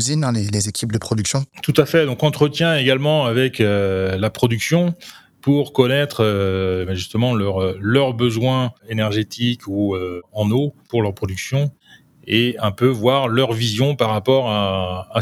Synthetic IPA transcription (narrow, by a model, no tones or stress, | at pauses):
ziñlelezekʲʰip̚d̪əpχɔd̪yksjɔ̃t̪ut̪afɛd̪ɔ̃kɑ̃t̪χət̪jɛ̃eɡalmɑ̃avɛkølapχɔd̪yksjɔ̃ | puʁkɔnɛt̪χøbɛʒyst̪əmɑ̃lœʁlœʁbəzwɛ̃enɛʁʒet̪ʰikuøɑ̃nopuʁlœʁpχɔd̪yksjɔ̃ | eɛ̃pøvwaʁlœʁvizjɔ̃paʁːapɔʁaː